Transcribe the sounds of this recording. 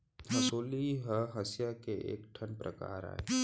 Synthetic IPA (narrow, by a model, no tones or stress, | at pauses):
əsoːliɦəɦəsjakeʔḛːkʈʰənpɾə̰ka̰ːɾa̰ːe